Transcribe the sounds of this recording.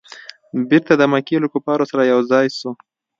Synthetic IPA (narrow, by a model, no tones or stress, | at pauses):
bɪɾt̪ad̪əmakelokupɑɾosaɾajawzɑjsu